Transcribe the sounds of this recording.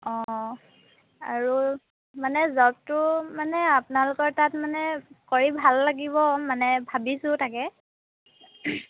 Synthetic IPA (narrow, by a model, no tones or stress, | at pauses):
ɔ̃ | aɹu | manɛzɔp̚tʊmanɛapʊnalʊkɔɹtatmanɛkoɹibʱalːaɡibɔmanɛbʱabisʊ̃takɛ